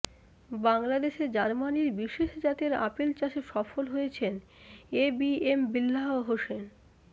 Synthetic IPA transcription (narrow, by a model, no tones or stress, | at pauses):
baŋlad̪eʃed͡ʑaɾmaniɾbiʃeʃd͡ʑat̪eɾa̰pelt͡ɕaʃeʃɔfolɦojet͡ɕʰen | ebiembilːaɦoɦoʃen